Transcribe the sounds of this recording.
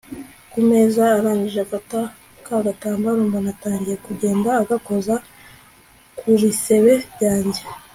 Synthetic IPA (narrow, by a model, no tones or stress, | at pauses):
kume̞ːzaːɾaːɲiʒeafata | kaɡataːmbaɾuːmbanataːɲɟije̞kuɟe̞ːndaːɡako̞za | kuɾise̞βe̞ɾjaːɲɟe